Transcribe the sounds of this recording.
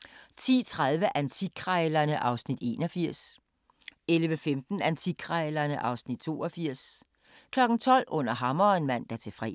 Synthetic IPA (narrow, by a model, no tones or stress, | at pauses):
t͡sʰḭːt͡sʰʁaðˠʋəʔænt͡sʰiɡ̥ʰʁɑɪlɐnəʔɑ̈ʊsnid̥e̝ːnɒ̽fiɐ̰s | elʋəfemd̥n̩ænt͡sʰiɡ̥ʰʁɑɪlɐnəʔɑ̈ʊsnid̥̚t͡sʰo̝̰ːɒfiɐ̰s | kʰlɒ̽ɡ̥n̩t͡sʰɒ̽l̰ɔ̽n̰ɐɦɑ̈mɐenmæn̰d̥æɐt͡sʰe̝fʁɛ̰